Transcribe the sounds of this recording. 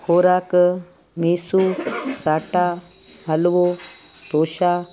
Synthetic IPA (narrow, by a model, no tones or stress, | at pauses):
kʰoːɾaːk | miːsuːsaːʈaː | ɦɐlʋoː | t̪oːʃaː